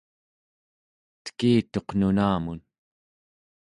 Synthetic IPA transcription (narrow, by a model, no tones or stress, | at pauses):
t̪ə̥kiːt̪o̞qnunaːmun